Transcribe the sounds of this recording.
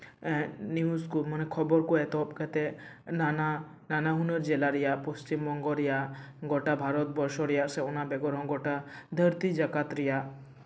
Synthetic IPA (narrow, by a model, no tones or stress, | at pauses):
niuskumanɛkʰɔbɔɾkuɛt̪ɔp̚kɛt̪ɛnana | nanaɦunɔɾd͡ʒɛlaɾijaʔpɔst͡ʃimːɔŋɡɔɾijaʔɡɔʈabʱaɾɔt̪̚bɔɾʃɔɾijaʔsɛɔnabɛɡɔɾɦɔ̃ɡɔʈad̪ʱəɾt̪id͡ʒakat̪ɾijaʔ